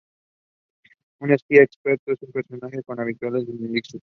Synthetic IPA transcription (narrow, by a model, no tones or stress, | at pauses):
unespiaekspeɾt̪oesumpeɾso̞naxe̞ko̞naβ̞it̪walezðemiliksu